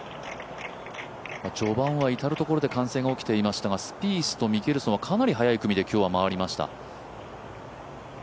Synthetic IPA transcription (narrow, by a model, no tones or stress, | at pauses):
at͡ɕo̞bãɰ̃βait̪aɾɯ̟t̪o̞ko̞ɾo̞d̪e̞kãɰ̃sẽ̞ŋɡaokʲi̥t̪e̞imaɕi̥t̪aɡasɨ̥pʲiːsɨ̥t̪o̞mʲiɡʲeɾɯ̟sooβakʰanaɾʲiɦajaikɯ̟mʲid̪e̞kʲo̞ːβamaβaɾʲimaɕi̥t̪a̰